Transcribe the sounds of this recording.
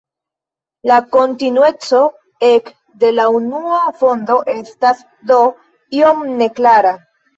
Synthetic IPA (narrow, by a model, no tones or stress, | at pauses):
lako̞ntinue̞t͡so̞ | e̞k | de̞launuafo̞ndo̞ʔe̞stas | do̞ | io̞mne̞klaɾa